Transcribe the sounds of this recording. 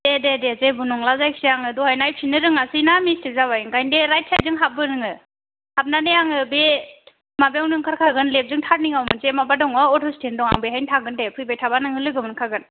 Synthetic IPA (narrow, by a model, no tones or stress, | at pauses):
dededezebunɔŋlazajkʰsijaŋɯdɔhajnajpʰinɯɾɯŋasɯjnamistik̚zaβajɯŋkajndeɾajt̚ʰːajzɯŋɦap̚bɯɾɯŋɯ | hap̚nanejaŋɯbe | mabeɔwnɯŋkʰaɾkʰaɡɯnlep̚zɯŋtʰaɾ̚niŋawmɯnzemabadɔŋɔɔtʰɔstʰendɔŋa̰ŋbejɦajntʰaɡɯndepʰɯjbajtʰabanɯŋɯlɯɡɯmɯnkʰaɡɯn